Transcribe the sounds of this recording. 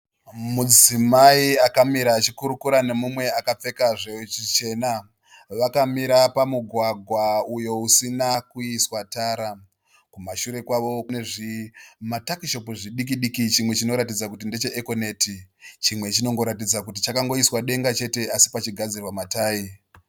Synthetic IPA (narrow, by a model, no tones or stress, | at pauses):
mud͡zimaiakamiɾaːt͡ʃikuɾukuɾane̞mumwe̞akap͡fe̞kaʐet͡ʃit͡ʃe̞na | ʋakamiɾapamuɡʱwaɡʱwaujo̞usinakuiswataːɾa | kumaʃuɾe̞kwaʋo̞neʐimatakiʃo̞puʐiɗik̬iɗikit͡ʃimwe̞t͡ʃino̞ɾat̬id͡zakut̬inde̞t͡ʃe̞ʔeko̞ne̞tit͡ʃimwe̞t͡ʃino̞ŋɡo̞ɾatid͡zakutit͡ʃakaŋɡo̞iswaɗe̞ŋɡat͡ʃe̞te̞ʔasi̥pat͡ʃiɡʱad͡zirwamataːi